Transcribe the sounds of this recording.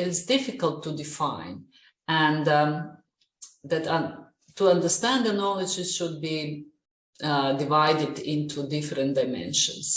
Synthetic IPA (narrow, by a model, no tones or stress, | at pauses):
ɪtsdɪfɪkəlˠtʰːudɪfãɪ̃n | æ̃n | ðæt | tuʌ̃ndə˞st̪æ̃nd̪ənɔlˠɪd͡ʒɪzʃʊd̚bi | dɪvaɪdɪd̪ɪ̃nt̪ʰudɪfɾə̃ndaɪmɛ̰̃nʃə̰̃ns